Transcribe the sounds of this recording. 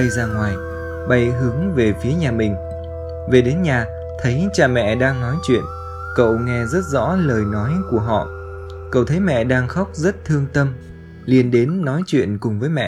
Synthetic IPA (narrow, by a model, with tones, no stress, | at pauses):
ə˧jzaː˧ŋwaː˨˩j | ɓa˨˧˩jɦɨ˨˦əŋve˨˩fi˨˦əɲaː˨˩mï˨˩ŋ̟ | ve˨˩ɗe˨˦nɲaː˨˩ | t̪ʰə˨˦jt͡ɕaː˨˧˩mɛ̰˧˨ɗaː˧ŋnɔ˨˦jt͡ɕwḭ˧˨ən | kə̰˧˨wŋɛ˧zə˦˥t̚zɔ̰˧˥ləː˨˩jnɔ˨˦jku˧˩əɦɔ̰˧˨ | kə̰˧˨wt̪ʰə˨˦jmɛ̰˧˨ɗaː˧ŋxa˦˥wk͡p̚zə˦˥t̚t̪ʰɨ˧əŋt̪ə˧m | li˨˩ənɗe˨˦nːɔ˨˦jt͡ɕwḭ˧˨ənkʊ˨˩ŋ͡mvəː˨˦jmɛ̰˧˨